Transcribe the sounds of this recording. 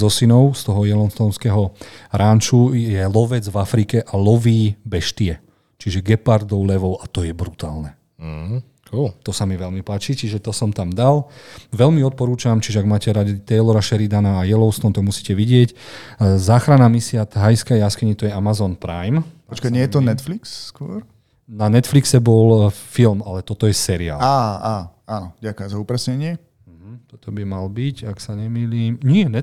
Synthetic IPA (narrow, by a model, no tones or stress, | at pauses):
zɔsinɔʊst̪ɔɦɔjɛlɔnst̪ɔnskɛɦɔɾaːnt͡ʃujɛlɔʋɛd͡zvafɾikɛʔalɔʋiːbɛʃt̪iɛ | t͡ʃiʒɛɡɛpaɾd̪ɔʊlɛʋɔʊat̪ɔjɛbɾut̪aːlnɛ | kult̪ɔsamiʋɛlmipaːt͡ʃit͡ʃiʒɛt̪ɔsɔmt̪amd̪alʋɛlmiɔt̪̚pɔɾuːt͡ʃamt͡ʃiʒɛaɡmaːcɛɾad̪it̪ɛjlɔɾaʃɛɾid̪anaːjɛlɔʊst̪ɔnt̪aɡmusiːcɛʋiɟɪɛc | zaːxɾanamisiat̪ɦajskajaskɛɲit̪ɔjɛamazɔnpɾa̰jmt̪ɔt͡ʃkaɲɪɛjɛt̪ɔnɛt̪fliksːkʊɔ̰ɾ | nanɛt̪fliksɛbɔlfilmalɛt̪ɔt̪ɔjɛsɛɾia̰ːlaːaːaːnɔɟakazaupɾɛsɲɛɲɪɛ | m̩ɦm̩t̪ɔt̪ɔbimalbicaksaɲɛmiːliːmɲɪɛnɛ